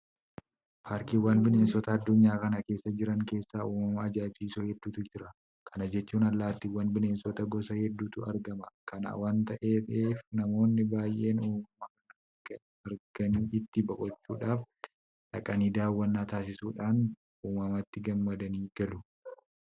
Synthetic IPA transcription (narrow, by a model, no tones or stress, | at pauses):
pʰaːɾkiːwːaːnbɪne̞ːnsɔt̪ɐːd̪ːʊɲːaːkɐnɐke̞ːsːɐd͡ʒɪɾɐŋke̞ːsːaːuːmɐmɐːd͡ʒaːt͡ʃːiːsoːhɛd̪ːuːt̪ʊd͡ʒɪɾɐ | kʰɐnɐd͡ʒɛt͡ʃːuːnɐlːaːt̪ːɪwɐnbɪne̞ːnsɔt̪ɐɡɔsɐhɛd̪ːuːt̪ʊɐɾɡɐmɐkɐna̰waːnt̪ɐʔeːt̪ʼeːfnɐmo̞ːnːɪbaːjʔe̞ːnuːmɐmɐkɐnɐɐɡɐ | ɐɾɡ̥ɐniːɪt̪ːɪbɐkʼɔt͡ʃːuːᶑaːf | ᶑɐkʼɐniːd̪aːwːɐnːaːt̪aːs̬ɪsuːᶑaːn | uːmɐmɐt̪ːɪɡɐmːɐd̪ɐniːɡɐlʊ